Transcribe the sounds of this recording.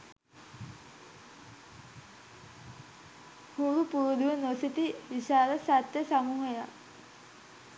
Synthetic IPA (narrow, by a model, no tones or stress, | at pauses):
huɾupuɾud̪uʋənosit̪iʋiɕaːɾəsat̪jəsamuːɦɐja